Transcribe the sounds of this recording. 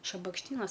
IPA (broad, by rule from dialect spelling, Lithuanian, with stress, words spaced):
ʃɐbɐkʃʲˈtʲiːnɐs